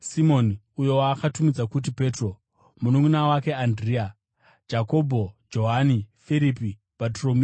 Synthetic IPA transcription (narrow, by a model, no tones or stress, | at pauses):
simo̞ni | ujo̞waːkatumid͡zakut̬ipe̞tro̞ | munuŋunawake̞andria | d͡ʒako̞bʱo̞d͡ʒo̞ɦanifiɾipi | patromi